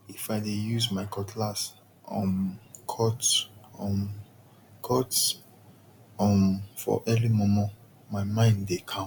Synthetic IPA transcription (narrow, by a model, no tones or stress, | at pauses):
ifaɪdejuzmaɪkʰɔtʰlas | ʔɔ̃nkʰɔtɔ̃m | kʰɔts | ɔ̃mfɔ̰ʔɛlimɔ̃mɔ̃ | maɪmãɪ̃ndekʰã